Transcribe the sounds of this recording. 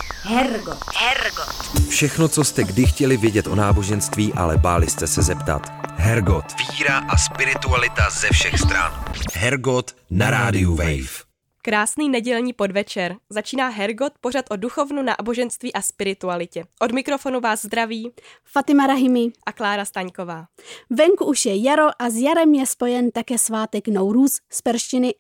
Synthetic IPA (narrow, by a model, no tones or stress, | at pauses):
ɦɛɾɡohɛɾɡot̪fʃɛxno̞t͡so̞st̪ɛɡdɪxcɛlɪvjɛɟɛt̪ʔo̞naːbo̞ʒɛnst̪viːʔa̰lɛbaːlɪst̪ɛsɛzɛpt̪a̰t̪ɦɛɾɡot̪viːɾaʔaspɪɾɪt̪ualɪt̪azɛfʃɛxst̪ɾa̰nɦɛɾɡot̪naɾaːdɪuvɛ̰jf | kɾaːsniːnɛɟɛlɲiːpo̞dvɛt͡ʃɛɾzat͡ʃiːnaːɦɛɾɡo̞t̪̚po̞r̝at̪ʔo̞duxo̞vnuna̰ːbo̞ʒɛnst̪viːʔaspɪɾɪt̪ualɪcɛʔo̞dmɪkɾo̞fo̞nuvaːzzd̪ɾaviːfat̪ɪmaɾaɦɪmɪʔaklaːɾast̪aɲko̞vaː | vɛŋkuuʃjɛjaɾo̞ʔazjaɾɛmjɛspo̞jɛnt̪akɛːsvaːt̪ɛknowɾuːsspɛɾʃcɪnɪ